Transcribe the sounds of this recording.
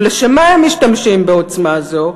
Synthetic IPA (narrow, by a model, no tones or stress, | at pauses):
leʃemaemːiʃtamʃimbeo̞t͡smazo̞